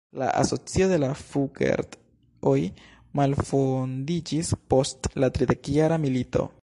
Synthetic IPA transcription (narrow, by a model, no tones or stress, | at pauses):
la̰ʔa̰so̞t͡sio̞de̞lafuɡḛɾd | oj | malfondid͡ʒispo̞stlatɾide̞kjaɾamilito̞̰